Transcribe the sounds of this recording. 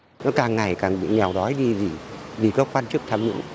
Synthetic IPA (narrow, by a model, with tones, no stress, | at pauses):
nɔ˨˦kaː˨˩ŋŋa˨˩jkaː˨˩ŋɓḭ˧˨ɲɛ˨˩wɗɔ˨˦jɗi˧zi˨˩vi˨˩kɔː˨˦kwaː˧nt͡ɕɨ˦˥k̚t̪ʰaː˧mɲɨ̰˧˥ŋ